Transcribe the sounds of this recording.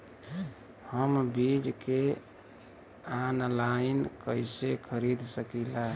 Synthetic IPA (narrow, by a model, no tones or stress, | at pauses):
həmbid͡ʒke | anlainkəjsekʰəɾid̪səkila